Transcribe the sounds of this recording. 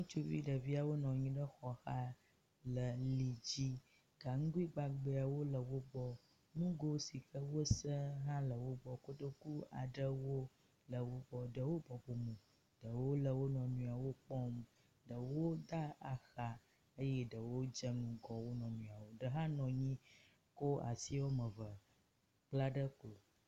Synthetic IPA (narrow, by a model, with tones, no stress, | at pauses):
nũ˦t͡ʃu˦vḭ˦ɖə˨vi˦a˨wo˦nɔ̃˨ɲĩ˦ɖə˦xɔ˨xa˦ | lə˨li˨d͡ʑi˦ | ɡ̥a˨ŋ̩˦ɡu˦i˦ɡ͡ba˨ɡ͡bə˨a˨wo˦lə˨wo˦ɡ͡bɔ˦ | nũ˦ɡo˦si˨kə˦wo˦sə˦ɦã˦lə˨wo˦ɡ͡bɔ˨ko˦ɖə˦ku˦a̰˨ɖə˦wo˦ | lə˨wo˦ɡ͡bɔ˨ɖə˨wo˦bɔ˨bo˨mũ˨ | ɖə˨wo˦lə˨wo˦nɔ̃˨nũ˨a˨wo˦k͡pɔ˦m | ɖə˨wo˦d̪a˦a˨xa˨ | ə˦jɛ˦ɖə˨wo˦d͡ʒə˦nũ˨ɡɔ˨wo˦nɔ̃˨nũ˨a˨wo˨ɖə˨ɦã˦nɔ̃˨ɲĩ˦ | ko˦a̰˨si˦wo˦mə̃˨və˨ | k͡pla˦ɖə˦ko˨